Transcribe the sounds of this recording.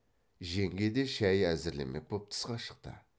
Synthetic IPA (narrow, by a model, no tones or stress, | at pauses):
ʒe̞ŋɡʲed̪e̞ʃæjæzɪɾlḛmḛk̚bʰop̚t̪ʰɨ̥sqɑʃə̥q̚t̪ə̰